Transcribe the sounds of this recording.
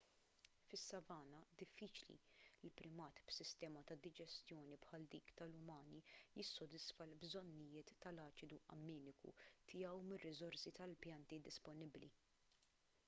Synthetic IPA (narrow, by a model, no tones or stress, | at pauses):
fɪsːɐvɐːnɐd̪ɪfːiːt͡ʃlḭlɪlpɾɪmɐːt̪b̥sɪst̪ɛːmɐt̪ɐd̪ɪd͡ʒɛst̪jɔːnipħɐːld̪iːkt̪ɐlʊmɐːnijɪsːɔd̪ɪsfɐlbzɔnːɪjɪːt̪ːɐlɐːt͡ʃɪd̪uʔɐ̰mːɛːnɪkṵt̪ʰɪjɐwmɪrːɪzɔɾsit̪ɐlpjɐnt̪id̪ɪspɔnɪblḭ